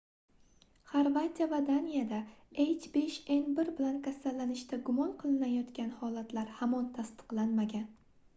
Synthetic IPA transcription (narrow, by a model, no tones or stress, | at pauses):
χaɾvat̪ʲijavad̪anijad̪aejt͡ʃbe̞ʃe̞nbɪɾbɪlankʲʰasalːanɪʃt̪aɡʊmɒnqʰɨlˠɪnajɒt̪kʲanhɒlˠat̪ʰlaɾhamɒnt̪ʰast̪ɨ̥qlˠanmaɡʲan